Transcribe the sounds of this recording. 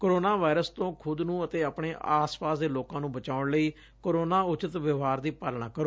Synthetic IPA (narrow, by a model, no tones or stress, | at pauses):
koːɾoːnaːʋaːɪɾəst̪õːkʰʊd̪nũːət̪eːaːpɳeːʔaːspaːsd̪eːloːkãːnũːbət͡ʃaːʊɳləiː | koːɾoːnaːʊt͡ʃɪt̪ʋəʋɦaːɾd̪iːpəlɳaːkəɾoː